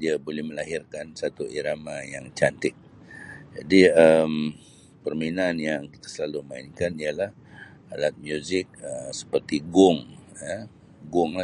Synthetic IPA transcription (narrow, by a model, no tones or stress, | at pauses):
diabolɛhməlaɦirkansat̪uʔiɾamajaŋt͡ʃant̪ɪk̚ | d͡ʒa̰diəm | pərminanjaŋkit̪ḁsəlalumainkanialah | alat̪̚mjuzɪk̚əsə̥pərt̪iɡʊŋə | ɡʊŋla